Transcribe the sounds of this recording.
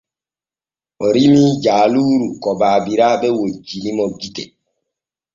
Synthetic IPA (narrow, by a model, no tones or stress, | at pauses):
ɔɾimid͡ʒaːluɾukɔbaːbiɾabɛwod͡ʒinimɔɡitḛ